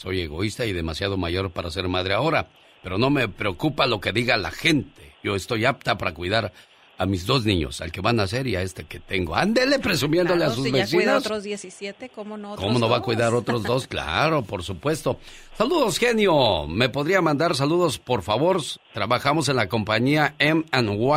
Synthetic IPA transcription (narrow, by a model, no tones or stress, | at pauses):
so̞je̞ɣo̞̰ist̪aiðe̞masjað̞o̞maʝo̞ɾpaɾase̞ɾmað̞ɾe̞ao̞ɾa | pe̞ɾo̞no̞me̞pɾe̞o̞kupalo̞ke̞ðiɣala̰xe̞nt̪e̞ʝo̞e̞st̪o̞jap̚t̪apaɾakwiðaɾ | amizðo̞znĩɲo̞̰sa̰lke̞βanase̞ɾiae̞st̪e̞ket̪e̞ŋɡo̞and̪ele̞pɾe̞sumje̞nd̪oleas̬uzβesinosz | komono̞βakwiðaɾo̞t̪ɾozðo̞skla̰ɾo̞po̞ɾsupwe̞st̪o̞ | saluðo̞sxe̞njo̞me̞poðɾiamãnd̪aɾs̬aluðo̞spo̞ɾfaβo̞ɾt̪ɾaβaxamo̞s̬e̞nlako̞mpaɲiaemanwa